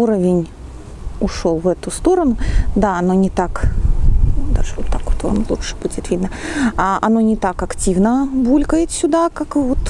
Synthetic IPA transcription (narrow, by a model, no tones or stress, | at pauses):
uɾəvʲɪnʲ | ʊʂo̞lˠvɛt̪ʊst̪o̞ɾənʊd̪aɐno̞nʲɪt̪ak | d̪a̰ʐɨvot̪ːakvot̪o̰nlˠṵʂɨ̥b̥udʲɪt̪vʲid̪nəaʔɐ̰no̞nʲɪt̪akɐktʲivnəbulʲkəjɪt̪sʲʊd̪akakvot̪